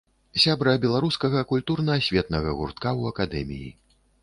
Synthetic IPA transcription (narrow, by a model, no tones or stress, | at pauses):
sʲabɾɐbʲɛlˠaɾuskɐɣɐkulʲt̪urnɐsʲvʲɛt̪nɐɣɐɣṵrt̪̚kawɐkad̪ɛ̰mʲḭjḭ